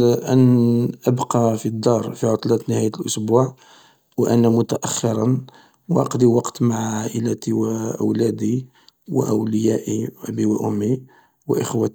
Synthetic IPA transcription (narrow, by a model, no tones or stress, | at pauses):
ʔənʔəbqɑfid̪ːɑɾˤfiʕot̪ˤlæt̪nəhæjət̪lʔʊsbuʕ | wʔænːæmʊt̪æʔæxːɪɾˤɑn | wʔɑ̰qd̪iwɑqt̪maʕʕaʔəlæt̪iwʔə̰wlæd̪i | wə̰ʔəwləjæʔiʔbiwəʔʊmːi | wəʔəxwæt̪